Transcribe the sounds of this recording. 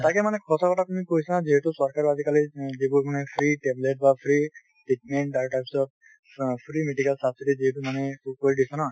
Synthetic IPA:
takɛmanɛkʰɔsakɔtatumikoisanaziɦetusɔɹkaɹɔazikalizibuɹmanɛpʰɹiʈebleʈ̚bapʰɹi | ʈiʈ̚mɛɳʈaɹʈajpsɔb̚ | pʰɹimeɖikalsabsiʈiziɦetumanɛukoɹidisɔna

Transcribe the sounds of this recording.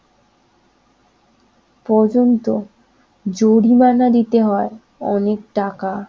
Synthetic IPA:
pɔɾd͡ʑont̪o | d͡ʑoɽimanad̪it̪eɦɔe | ɔ̰nek̚ʈaka

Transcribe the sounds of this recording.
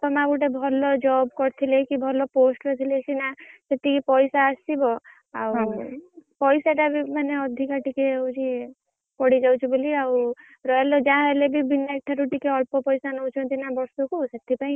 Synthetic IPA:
t̪ɔmãbuʈebʱɔlɔd͡ʒɔbkɔɾt̪ʰilekibʱɔlɔposʈɾɔt̪ʰilesinaset̪ikipɔjsaːsibɔ | aw | pɔjsaʈabimaneɔd̪ʱikaʈikeud͡ʒi | pɔɽid͡ʒawt͡ʃʰibɔliaw | ɾɔjalɔd͡ʒãɦelebibinːaek̚ʈʰːaɾuʈikeɔɭpɔpɔjsanɔwt͡ʃʰɔ̃nt̪ʰinabɔɾsukusat̪ʰːipaĩ

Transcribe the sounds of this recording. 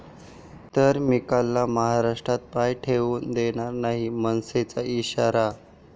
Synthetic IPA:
t̪əɾmikalːaməɦaɾaʂʈɾat̪̚pajʈʰeʋuːnd̪eɽ̃aɾnaɦimənset͡saiɕaɾa

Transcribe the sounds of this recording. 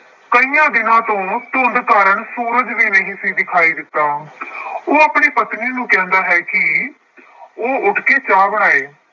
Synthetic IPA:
kəiːjãːd̪ɪnãːt̪õːt̪ʊːnd̪kaːɾəɳsoːɾəd͡ʒʋiːnəɦĩːsiːd̪ɪkʰaːiːd̪ɪt̪ːaː | oːaːpɳiːpət̪niːnũːkɛ̃ːnd̪aːɦɛːkɪ | oːʔʊʈʰkeːt͡ʃaːbəɽ̃aːeː

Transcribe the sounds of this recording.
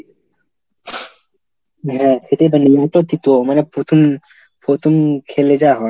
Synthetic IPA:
ɦɛ̃kʰet̪ebaniɔt̪ot̪it̪omanepot̪ʰom | pɾot̪ʰomkʰeled͡ʑaɦɔe

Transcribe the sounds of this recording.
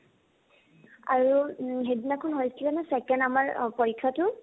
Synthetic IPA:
a̰ɹuɦedinakʰɔnɦojsilɛnɛsɛkɛndamaɹpoɹikʰːatʊ

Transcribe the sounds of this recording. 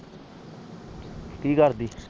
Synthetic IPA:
t̪iːkəɾd̪iː

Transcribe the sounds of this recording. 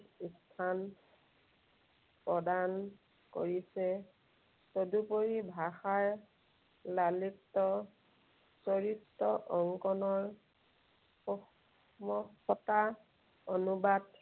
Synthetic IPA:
istʰan | pɹɔdan | ko̰ɹisɛ | sodupoɹibʱaxaɹ | lalitːɔ | sɔɹitːɔʔɔŋkɔnɔɹ | ɔ | mɔxɔta | onubad

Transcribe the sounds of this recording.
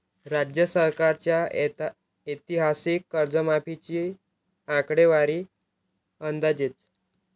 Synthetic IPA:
ɾad͡ʑjəsəɾkaɾt͡ɕja | et̪iɦasikːəɾd͡zəmapʰit͡ɕi | ãkɽeʋaɾiː | ənd̪ad͡ʑet͡s

